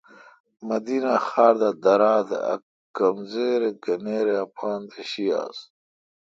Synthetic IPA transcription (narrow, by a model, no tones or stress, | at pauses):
mɐd̪iːnaxaːɾd̪ad̪ɐɾaːd̪ḛɐ̰ | kɐmzeːɾeɡɐneːɾeɐpʰaːnd̪eɕia̰ːs